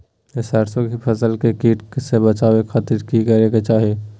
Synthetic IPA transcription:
esaːɾsokipʰəsəlkekiːʈsebət͡ʃaːwekʰaːt̪iɾkikəɾeket͡ʃaːɦe

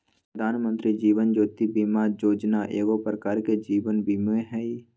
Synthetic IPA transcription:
pɾəd̪ʱaːnmə̃nt̪ɾid͡ʒiːʋənd͡ʒoːt̪ibimad͡ʒoːd͡ʒnaʔeːɡopɾəkaːɾked͡ʒiːʋənbimeɦɛi

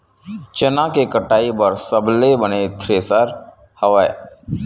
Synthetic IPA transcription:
t͡ʃənãkekəʈaːipəɾsəblebənet̪ʰɾeːsəɾ | hɐʋaḛ

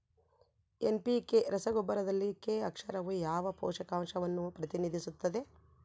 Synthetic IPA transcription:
enpikeɾɐsɐɡobːɐɾɐd̪ɐlːikeɐkʂɐɾɐʋujaːʋɐpɔ̰ːʂɐkaːmʂɐʋɐnːupɾɐt̪inid̪ʱisut̪ːɐd̪e̞

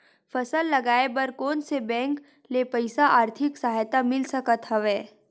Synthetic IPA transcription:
fʰɐsəlːɐɡaːebəɾkɔːnsebɛ̃ːŋk | lepəɪsaʔaːɾt̪ʰɪksɐɦajt̪amɪlsɐkət̪ɦəʋeː

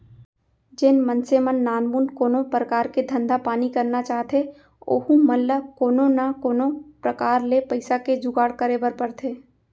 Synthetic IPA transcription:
d͡ʒɪnmə̃nsemənːaːnmuːnkoːnõpɾəkaːɾked̪ʱɐ̃nd̪ʱapaːnikɐɾnat͡ʃaːɦt̪ʰe | o̰ːkũmɐlːakoːnõnakoːnõpɾɐkaːɾlepɐɪsaked͡ʒʊɡaːɽkəɾebəɾpɐɾt̪ʰeː

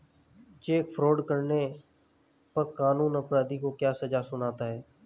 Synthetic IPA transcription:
t͡ʃeːkfʰɾoːɖkəɾne | pəɾkaːnuːnəpɾaːd̪iːkokjaːsəd͡ʒasʊnaːt̪aːɦɛː

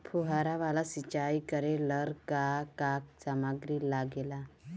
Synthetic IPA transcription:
pʰuɦaɾaʋalasit͡ɕaikəɾeləɾkakak̚samaɡɾiːlaɡela

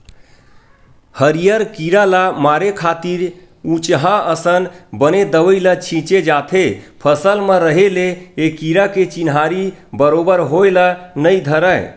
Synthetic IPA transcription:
həɾijəɾkiɾalamaɾekʰat̪iɾ | ut͡ʃɦãəsənbəned̪əʋəɪlət͡ʃʰĩt͡ʃed͡ʒat̪ʰepʰəsəlmeɾəɦeleːkiɾaket͡ʃinɦaɾibəɾobəɾɦojlənəjd̪ʱəɾəj

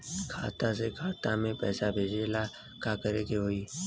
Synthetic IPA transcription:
kʰa̰ːt̪ãs̬ekʰaːt̪amẽpɛ̰ːsabʱeːd͡ʒeːla | kaːkəɾeːkeɦoːiː

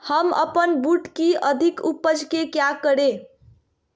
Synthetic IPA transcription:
həmə̰pənbuʈkiʔəd̪ʱikupːəd͡ʒʱkekjakəɽe

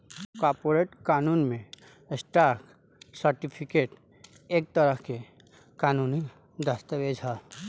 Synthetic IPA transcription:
kɔɾpoɾeʈkaːnuːnmẽ | sʈaːɾk | səɾʈipʰikeːʈ | eːk̚t̪əɾəke | kaːnuːni | d̪əst̪əʋed͡ʒʱɦaː

